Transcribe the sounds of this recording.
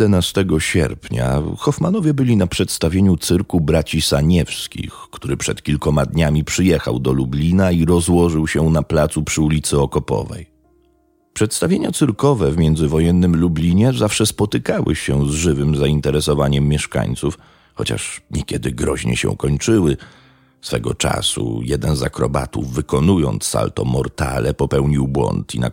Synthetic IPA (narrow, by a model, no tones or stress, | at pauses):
ɛnast̪ɛɡɔɕɛ̰ɾpɲa̰xɔfmanɔvʲjɛbɘlʲinapʂɛt̪st̪avʲjeɲut̪sɘɾkubɾat͡ɕisaɲɛfskʲḭxkt̪uɾɘpʂɛt̪kʲilkɔmad̪ɲamʲipʂɘjɛxa̰wd̪ɔlublʲinaiɾɔzwɔʐɘwɕɛnaplat̪supʂɘulʲit̪sɘɔkɔpɔ̰vɛ̰j | pʂɛt̪st̪avʲjeɲat̪sɘɾkɔvɛvmʲjɛnd̪zɘvɔjɛnːɘmlublʲiɲɛzafʂɛspɔt̪ɘkawɘ̰ɕɛzʐɘvɘmzaint̪ɛɾɛsɔvaɲɛmːʲjɛʂka̰ɲt̪suf | xɔt͡ɕa̰ʂɲɛkʲɛd̪ɘɡɾɔʑɲɛ̰ɕɛ̰̃ukɔɲt͡ʂɘwɘ | sfɛɡɔt͡ʂa̰sṵjɛd̪ɛnzakɾɔ̰ba̰t̪uvːɘkɔnujɔnt̪sːa̰lt̪ɔmɔɾt̪a̰lɛpɔpɛwɲiwbwɔ̰nt̪ḭna̰